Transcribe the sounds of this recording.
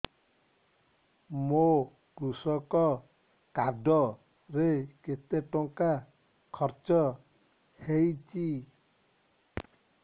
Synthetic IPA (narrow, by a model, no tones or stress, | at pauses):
mo | kɾusɔkɔ | kaɖ̪ɔ | ɾeket̪eʈɔŋka | kʰɔɾt͡ʃɔ | hejt͡ʃʰi